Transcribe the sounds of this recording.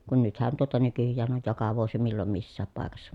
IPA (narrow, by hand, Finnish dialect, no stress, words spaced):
kun nythæn tuotɑ nykyjːæːn oj jokɑ ʋuosi milːom misːæːp pɑˑekɑsːɑ